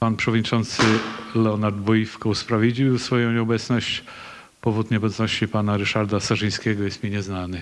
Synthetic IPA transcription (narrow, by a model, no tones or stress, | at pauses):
panpʂɛvɔd̪ɲit͡ʂɔnt̪sɘlɛɔnaɾd̪bɔjifkɔuspɾavʲid͡ʑiwwsfɔjɔ̃w̃ɲɛɔbɛt̪snɔɕt͡ɕ | pɔvut̪ɲɛɔbɛt̪snɔɕt͡ɕipanaɾɘʂaɾd̪asaʐɨj̃skʲɛɡɔjɛst̪mʲiɲɛznanɘ